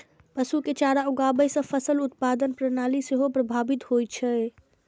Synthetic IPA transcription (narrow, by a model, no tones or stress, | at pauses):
pəsuket͡ʃaɾauɡabəjsə̃pʰəsəlut̪̚pad̪ənpɾənaliseɦopɾəbʱabit̪ɦojt͡ʃʰəe